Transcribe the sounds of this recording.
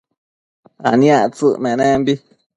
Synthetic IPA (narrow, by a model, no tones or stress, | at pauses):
a̰njãt͡sɨʔmɛ̃nɛ̃mbi